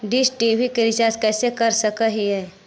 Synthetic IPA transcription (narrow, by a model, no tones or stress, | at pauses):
ɖɪsʈibʱikɪɾɪt͡ʃaːskɛːsekəɾsəkəɦiɦɛː